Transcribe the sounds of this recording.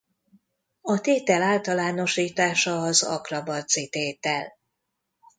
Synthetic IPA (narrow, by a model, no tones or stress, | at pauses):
ɒt̪eːt̪ɛlaːlt̪ɒlaːno̞ʃiːt̪aːʃɒːzɒ̰krɒbɒzit̪eːt̪ɛl